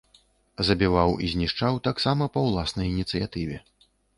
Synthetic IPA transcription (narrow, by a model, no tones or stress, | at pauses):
zɐbʲivawḭzʲnʲiʂt͡ʂawt̪aksamɐpɐwlˠasnɐjinʲit̪sɨjat̪ɨvʲɛ